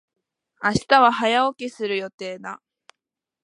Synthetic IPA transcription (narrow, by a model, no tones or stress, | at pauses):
aɕi̥t̪aβaɦajaokʲesɨɾɯ̟jo̞t̪e̞ːd̪a